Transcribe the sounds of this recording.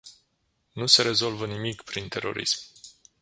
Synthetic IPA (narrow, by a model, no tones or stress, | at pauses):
nuse̞ɾe̞zo̞lvənimikpɾint̪e̞ɾʔo̞̰ɾḭsm